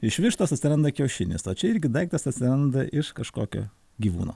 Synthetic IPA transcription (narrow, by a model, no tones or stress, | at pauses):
ɪʃʲʋʲɪʃt̪oːsɐt̪ʲsʲɪɾɐnd̪ɐkʲɛʊʃʲɪnʲɪ̰soːt͡ʃʲɛɪɾʲɡʲɪd̪ɐɪkt̪ɐsɐt̪ʲsʲɪɾɐnd̪ɐʔɪʃkɐʃkoːkʲo̰ː | ɡʲiːʋuːno̰ː